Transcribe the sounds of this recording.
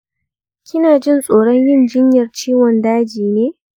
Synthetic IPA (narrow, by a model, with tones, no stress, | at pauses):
kʲʰɪ˦naː˨d͡ʒɪ˦nsʼoː˨ɽɔ˦ɲjɪ˦nd͡ʒɪ˦ɲjɐ˨rt͡ʃiː˦wɔ˨ndaː˦d͡ʒiː˨neː˦